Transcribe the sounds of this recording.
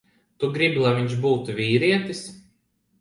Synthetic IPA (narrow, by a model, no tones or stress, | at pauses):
t̪uɡɾiblˠajviɲʃbuːt̪uvʲiːɾiɛt̪is